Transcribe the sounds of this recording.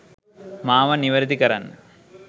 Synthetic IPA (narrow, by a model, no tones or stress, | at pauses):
maːʋɐniʋɐɾd̪ikɐɾa̰nː